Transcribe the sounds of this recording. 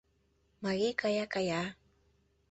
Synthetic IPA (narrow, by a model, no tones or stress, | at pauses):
maɣikajakaja